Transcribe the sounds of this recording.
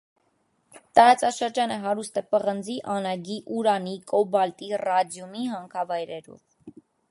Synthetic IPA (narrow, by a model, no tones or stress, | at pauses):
t̪ɑɾɑt͡sɑʃəɾd͡ʒɑnəɦɑɾust̪ɛpəʁənd͡ziʔɑnɑɡiʔuɾɑnikʼɔbɑlt̪irɑd̪jumiɦɑŋkʰɑvɑjɾɛɾṵv